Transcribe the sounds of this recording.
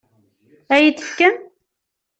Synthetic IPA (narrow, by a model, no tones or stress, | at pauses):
æjiθə̥kːən